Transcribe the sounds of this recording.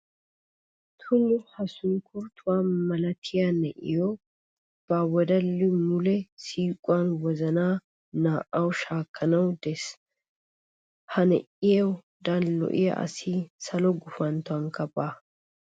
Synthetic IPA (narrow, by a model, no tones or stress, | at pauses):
t̪ʰʊlːʊhɐsʊŋkʰʊɾt̪ʰʊwaːmɐlɐt̪ʰɪjanɛʔɪjɔ | b̥awɔd̪ɐlːɪmʊlɛsiːkʼʊwanwɔzɐnaː | naːʔɐwʃaːkʰːɐnɐwd̪ɛs | hɐnɛ̰ʔɪjɐw | d̪ɐnlɔ̰ʔɪja̰ʔɐ̰sɪsɐlɔɡʊfɐnt̪ʊɐŋkɐbaː